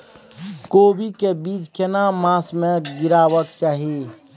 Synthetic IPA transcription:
koːbikebiːt͡ʃkenamãːsmeɡɪɾaːwəkt͡ʃaːɦi

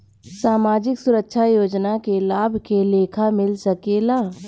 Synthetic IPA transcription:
saːmaːd͡ʒɪksʊɾəkʃʰajoːd͡ʒnakelaːbʱkeleːkʰamɪlsəkelaː

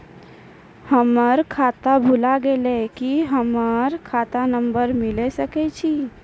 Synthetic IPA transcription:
həməɾkʰat̪abʱulaɡelekiɦəməɾkʰat̪anəmbəɾmilesəkɛt͡ʃʰi

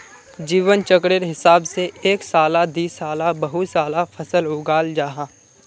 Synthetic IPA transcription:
d͡ʒiːʋənt͡ʃəkɽeɾɦɪsaːbseeːksaːlad̪iːsaːlabɐɦusaːlafʰɐsəlɦʊːɡaːld͡ʒaːɦãː

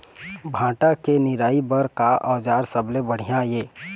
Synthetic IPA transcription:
bʱãːʈakenɪɾaːibəɾkaʔɔːd͡ʒaːɾsəblebəɽ̤ijãjeː

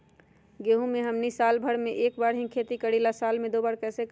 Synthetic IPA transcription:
ɡeɦũmeɦəmnisalbʱəɽmeʔekbaɾɦĩkʰet̪ikəɽilasalmẽd̪obaɾkɛse

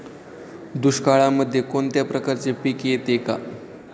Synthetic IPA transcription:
d̪uɕkaɭaməd̪ʱjekont̪japɾəkaɾt͡sepikjet̪eka̰

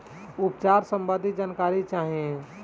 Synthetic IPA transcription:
upt͡ʃaɾsəmbəd̪ʱid͡ʒaːnkaɾit͡ʃaːɦiẽ

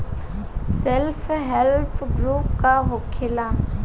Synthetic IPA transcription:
sɛlfʰɦɛlpʰɡɾup̚kaɦokʰɪla

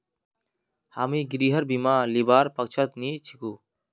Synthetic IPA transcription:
haːmiːɡiɾiːɦəɾbiːmaːlibaːɾpɐk̚t͡ʃʰət̪̚niːt͡ʃʰikuː

